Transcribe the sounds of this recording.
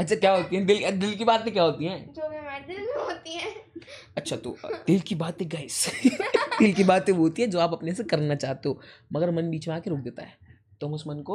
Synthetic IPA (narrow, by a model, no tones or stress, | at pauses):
ɐtːʃʰakjaːɦoːt̪iɦɛ̃d̪ɪld̪ɪlkibaːt̪mẽkʲjaːɦoːt̪iɦɛ̃ːd͡ʒoːmemad̪ɪlɦot̪iɦɛ | ɐtːʃʰat̪o̰d̪ɪlkibaːt̪ɦeɡaːɪs | t̪ɪlkibaːt̪ẽʋoɦoːt̪iɦɛd͡ʒoːaːpɐpnesekɐɾnat͡ʃaːɦt̪eɦoː | mɐɡəɾmɐnbiːt͡ʃmẽaːkeɾoːk̚d̪eːt̪a̰ɦɛː | t̪oɦɐmʊsmɐnko